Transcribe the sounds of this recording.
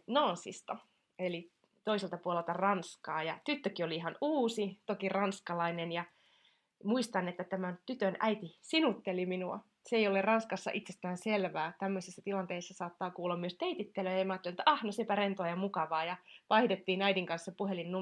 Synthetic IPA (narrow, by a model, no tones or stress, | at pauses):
noːnsḭst̪ɑ | eli | t̪oiselt̪ɑpuolelt̪ɑrɑnskɑːjɑt̪yt̪ːøkioliiɦɑnuːsit̪okirɑnskɑlɑinenjɑ | muist̪ɑnːet̪ːæt̪æmænt̪yt̪ønʔæit̪isinut̪ːeliminuɑ̰ | seejolerrɑnskɑsːɑ̰ʔit̪sest̪æːnselʋæːt̪æmːøsisːæt̪ilɑnt̪eisːɑsɑːt̪ːɑːkuːlːɑmːyøst̪eit̪it̪ːeløjɑmɑːt̪ːelet̪ːæɑhnosepærent̪oɑjɑmukɑʋɑːjɑpɑidet̪ːiːnæidiŋkɑnsːɑpuɦelinːu